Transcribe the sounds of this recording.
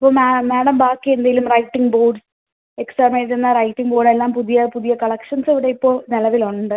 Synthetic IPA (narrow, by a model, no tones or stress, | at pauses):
ɐpːoːmmeːɽɐmbaːkːiend̪ɐjilumrɐjʈːiŋɡbo̞ːɖs | eksɐːmeːenːɐrɐjʈːiŋɡboːɽe̞lːaːmpuðijɐpuðijɐkɐɭɐkʂɐnseʋiɽe̞ipːoːnɐlɐʋiloɳɖɨ